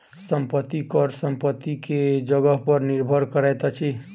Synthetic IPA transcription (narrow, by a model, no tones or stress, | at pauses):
səmpət̪ːikɔɾsəmpət̪ːiked͡ʒəɡəɦpəɾniɾbʱəɾkəɾɛjt̪t͡ʃʰi